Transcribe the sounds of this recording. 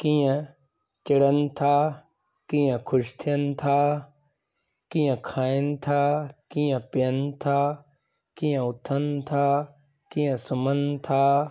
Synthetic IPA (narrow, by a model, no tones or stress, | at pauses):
kijẽ | t͡ʃɪɽənt̪ʰaː | kĩjə̃kʰʊʃt̪ʰijənt̪ʰaː | kijə̃kʰaːent̪ʰaːkĩjẽpjənt̪ʰaː | kĩjə̃ʊt̪ʰənt̪ʰaː | kijẽsʊmənt̪ʰaː